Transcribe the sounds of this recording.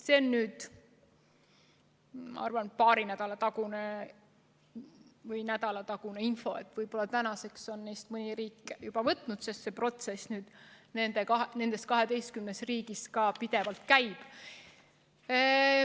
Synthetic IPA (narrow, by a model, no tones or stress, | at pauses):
seonːyːd̪̥ | mɑ̰ɑrvɑnpɑːɾinæd̪̥ɑlɑt̪ɑɡune | vɤjnæd̪̥ɑlɑt̪ɑɡ̥uneinfo̞et̪ːˑvɤjb̥o̞lːɑt̪ænɑse̞kso̞nːejst̪mɤnʲiɾiːkːˑejub̥ɑvɤt̪ˑnut̪se̞st̪se̞pro̞t̪se̞snyːd̪̥ne̞nd̪ekɑɦne̞nd̪̥e̞st̪̚kɑɦe̞d̪e̞jst̪̚kymnesriːɡiskɑpid̪̥e̞vɑlt̪kæjb̥